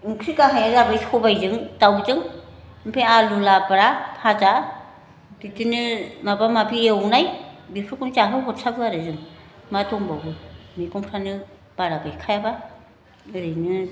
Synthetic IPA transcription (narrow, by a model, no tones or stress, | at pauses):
ɯŋkʰɾikaɦajazabɯjhɔbajzɯŋtawzɯŋ | mpʰealulabɾapʰaza | ditinɯmabamapʰiewnajbipʰɾɯkunt͡ʃaɦɯwɦɔt̚sʰaklaɾɯzɯŋmatʰɔŋbawbɯmikɔmpʰɾanɯ | b̥aɾabajkʰajaba | ɯɾɯjnɯ